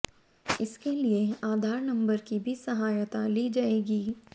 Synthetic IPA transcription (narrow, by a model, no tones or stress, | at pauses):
ɪskelieaːd̪ʱaːɾnɐ̃mbəɾkibʱisɐɦaːjt̪aliːd͡ʒaːeːɡiː